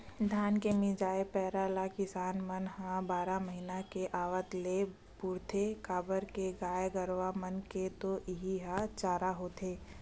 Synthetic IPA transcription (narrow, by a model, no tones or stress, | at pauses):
d̪ʱaːnkemɪd͡ʒaːepɛːɾalakɪsaːnmənɦãbaːɾaməɦinakeʔaːʋət̪le | pʊɾt̪ʰekaːbəɾkeɡaːjɡəɾʋamənket̪oʔɪɦiɦãt͡ʃaːɾaɦoːt̪ʰeː